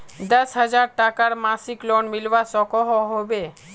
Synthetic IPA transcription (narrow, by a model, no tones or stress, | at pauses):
d̪ɔsɦad͡ʑaɾʈakaɾmasikloɳmilwasɔkɔɦɔɦɔbe